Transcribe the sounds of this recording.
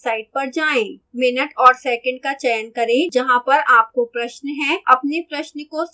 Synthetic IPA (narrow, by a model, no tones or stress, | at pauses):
saːɪɖ̚pɐɾd͡ʒaːẽːmɪnəʈɔːɾsɛːkə̃ɳɖkat͡ʃɛːnkɐɾẽd͡ʒɐɦãpɐɾaːp̚kopɾɐʃnɦɛ̃ɐpnepɾɐʃnəko